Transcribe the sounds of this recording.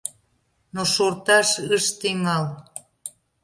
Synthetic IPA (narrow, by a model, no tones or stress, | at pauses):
noʃort̪ɑʃəʃt̪eŋɑl